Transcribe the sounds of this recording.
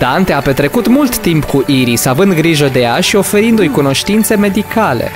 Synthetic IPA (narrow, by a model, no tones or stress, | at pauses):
d̪ant̪e̞ape̞t̪ɾe̞kut̪mult̪ːimpkuʔiɾisavɨnd̪ɡɾiʒəd̪e̞jaʃio̞fe̞ɾind̪ujkuno̞ʃt̪int̪se̞me̞d̪ikale̞̰